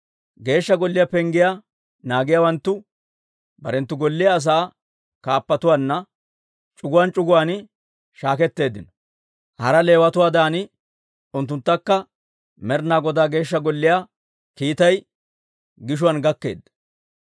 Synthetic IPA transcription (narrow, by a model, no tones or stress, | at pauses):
ɡe̞ːʃːɐɡɔlːɪjapɛŋɡɪja | naːɡɪjaːwɐnt̪ːʊ | bɐɾɛnt̪ːʊɡɔlːɪjɐːs̬aː | kaːpːɐt̪ʊwanːɐ | t͡ʃʼʊɡʊwaːnt͡ʃʼʊɡʊwaːn | ʃaːkɛt̪ːe̞ːd̪ɪnɔ̥ | hɐɾɐle̞ːwɐt̪ʊwaːd̪aːnɪ | ʊnt̪ːʊnt̪ːɐkːɐ | mɛɾnaːɡɔd̪aːɡe̞ːʃːɐɡɔlːɪja | kiːt̪ɐj | ɡɪʃ̬ʊwɐnɡɐkːe̞̰ːd̪ːɐ